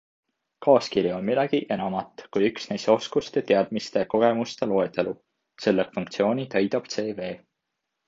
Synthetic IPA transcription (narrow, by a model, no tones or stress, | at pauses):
kɑːskiɾjio̞nmid̪ɑɡ̥iʔe̞nɑmɑt̪ːˑkujyksnejso̞skust̪e̞t̪e̞ɑd̪̥mist̪e̞ko̞ɡ̥e̞must̪elo̞et̪elu | se̞lːekfuŋk̚t̪sio̞ːnit̪ɑjd̪ɑb̥t̪se̞ːve̞ː